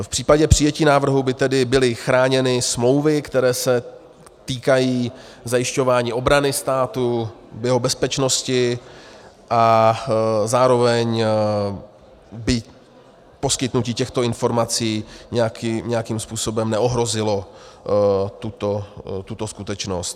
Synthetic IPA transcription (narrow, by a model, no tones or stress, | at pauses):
fpr̝̥iːpaɟɛpr̝̥ɪjɛciːnaːvr̩ɦubɪt̪ɛdɪbɪlɪxɾaːɲɛnɪsmlo̞wvɪkt̪ɛɾɛːsɛ | t̪iːkajiːzajɪʃco̞vaːɲiːʔo̞bɾanɪst̪aːt̪ubjɛɦo̞bɛspɛt͡ʃno̞scɪ | ʔa | zaːɾo̞vɛɲ | bɪ | po̞skɪt̪nuciːcɛxt̪o̞ɪnfo̞ɾmat͡siːɲɛjakːɲɛjakimspuːso̞bɛmnɛo̞ɦɾo̞zɪlo̞ | t̪ut̪ot̪ut̪o̞skut̪ɛt͡ʃno̞st̪